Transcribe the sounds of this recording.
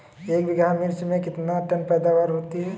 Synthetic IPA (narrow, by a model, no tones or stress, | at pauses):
eːkbʱɪɡamɪɾt͡ʃmẽkɪt̪naʈənpɛːd̪aʋaːɾɦoːt̪iɦɛ